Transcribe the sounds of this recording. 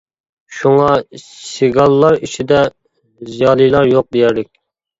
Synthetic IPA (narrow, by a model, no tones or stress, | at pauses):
ʃuŋɑsiɡɑlˠːɑɾit͡ʃʰid̪ɛ | zijɑːlˠijlˠɑɾjoq̚d̪ejæɾlɪkʲ